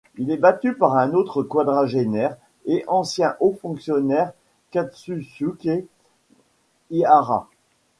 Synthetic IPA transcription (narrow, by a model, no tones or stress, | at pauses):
ilɛbat̪ypaʁɛ̃not̪χəkwad̪ʁaʒenɛʁ | eʔɑ̃sjɛ̃ʔofɔ̃ksjɔnɛʁ | kat̪sysyke | iaʁa̰